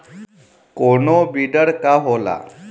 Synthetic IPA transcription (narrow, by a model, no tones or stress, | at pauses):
koɳobiɖəɾkaɦola̰